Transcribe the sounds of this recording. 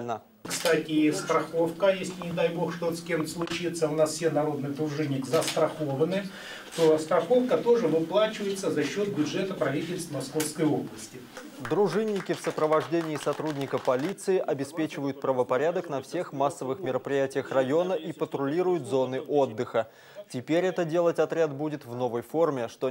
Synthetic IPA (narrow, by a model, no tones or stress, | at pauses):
lʲnə | kst̪atʲɪst̪ɾɐxofkəjesʲlʲɪnʲɪd̪ajbo̞xʂt̪ot̪skʲe̞mt̪slˠʊt͡ɕit̪səʊnasfsʲenɐɾo̞d̪nɨjd̪ɾʊʐɨnʲːɪkzəst̪ɾɐxovənɨ | t̪o̞st̪ɾɐxo̞fkət̪o̞ʐɨvɨplˠat͡ɕɪvəjɪt̪səzɐɕːo̞t̪̚bʲʊdʐɛt̪əpɾɐvʲitʲɪlʲst̪mɐsko̞fskəjoblˠəsʲtʲɪ | d̪ɾʊʐɨnʲːɪkʲɪfsəpɾəvɐʐdʲenʲɪːsɐt̪ɾudʲnʲɪkəpɐlʲit̪sɨɪʔɐbʲɪspʲet͡ɕɪvəjʊt̪̚pɾəvəpɐɾʲad̪əknɐfsʲe̞xmasːəvɨxmʲɪɾəpɾʲɪjætʲɪjəxrɐjo̞nəʔipət̪ɾʊlʲiɾʊjʊt̪zonɨʔo̞d̪ːɨxə | tʲɪpʲeɾʲɛt̪ədʲe̞lˠətʲɐt̪ɾʲad̪budʲɪt̪vno̞vəjfo̞rmʲɪʂt̪o